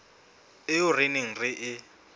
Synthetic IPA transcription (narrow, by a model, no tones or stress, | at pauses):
ɪʊrɪnɪŋ̩rɪʔɪ